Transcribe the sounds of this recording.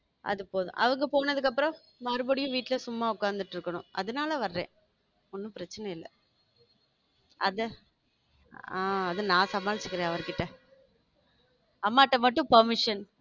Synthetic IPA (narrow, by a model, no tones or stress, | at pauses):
ʔɐ̰ðɯpoːðʊ̰̃ʔɐ̰ʋɐŋɡɐpoːnɐðɯkːɐpːɯɾɔ̃ | mɐɾɯbɐɽɪjʊ̃ʋiːʈːɪlɐsʊmːaːʊkːaːnd̪ɯʈːɪɾɯkːɐɳʊ̰̃ʔɐ̰ðɐnaːlɐʋɐɾɾḛ̃ː | ɔnːɯ̃pɪɾɐt͡ʃːɐnɐɪlːɐ̰ | ɐ̰ðɛ | aːɐðɐnãːsɐmaːlɪt͡ʃːɯkːɯɾẽːɐʋɐɾkɪʈːɐ | ɐmːaːʈːɐmɐʈːɯ̃pɐɾmɪʂɐn